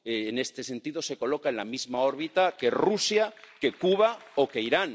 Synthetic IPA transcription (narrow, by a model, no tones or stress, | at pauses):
eːne̞st̪e̞se̞nt̪iðo̞se̞ko̞lo̞kaenlamizmao̞ɾβit̪ake̞rusjake̞kuβaoke̞iɾan